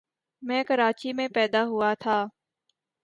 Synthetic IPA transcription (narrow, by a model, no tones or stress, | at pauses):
mɛ̃ːkəɾaːt͡ʃiːmẽːpɛːd̪aːɦʊaːt̪ʰaː